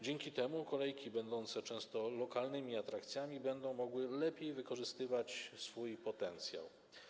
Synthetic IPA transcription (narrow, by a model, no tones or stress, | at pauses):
d͡ʑeŋkʲit̪ɛmukɔlɛjkʲibɛnd̪ɔnt̪sɛt͡ʂɛ̃w̃st̪ɔlɔkalnɘmʲiat̪ɾakt̪sʲjamʲibɛnd̪ɔ̃w̃mɔɡwɘlɛpʲjejvɘkɔʐɘst̪ɘvat͡ɕsfujpɔt̪ɛnt̪sʲja̰w